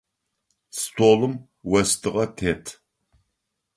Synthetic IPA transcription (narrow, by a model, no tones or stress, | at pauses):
stʰoːlɨm | wɐstʰɨʁɐtʰeːtʰ